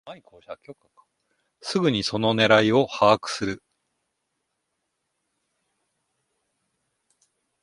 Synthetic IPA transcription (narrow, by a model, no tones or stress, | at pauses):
koko | sɨɡɯɲ̟iso̞no̞ne̞ɾaio̞haːkɯ̟̥sɨɾɯ